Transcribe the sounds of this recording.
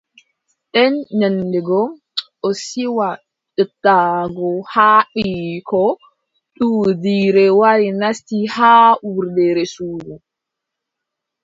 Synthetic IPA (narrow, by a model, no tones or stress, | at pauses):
ɗɛnɲandɛɡɔ | ɔsiwa | ɗətːaɡɔhaɓikɔ | ɗudiɾɛwaɾinastihaːwuɾdɛɾɛsuːɡu